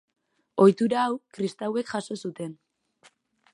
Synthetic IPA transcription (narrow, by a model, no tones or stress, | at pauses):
o̞jt̪uɾaːwkɾist̪awe̞kʝaso̞sut̪e̞n